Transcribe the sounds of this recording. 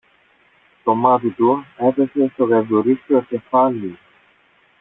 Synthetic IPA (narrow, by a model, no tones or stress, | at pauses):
t̪omɐt̪it̪uepesest̪oɣevuɾisocefɐli